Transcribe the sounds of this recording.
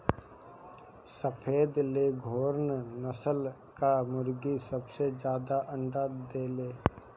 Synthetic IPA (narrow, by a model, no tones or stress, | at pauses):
səpʰeːd̪leːɡʱoːɾnnəsəl | kamʊɾɡisəbsed͡ʒjaːd̪aʔə̃ɳɖaːd̪eːleː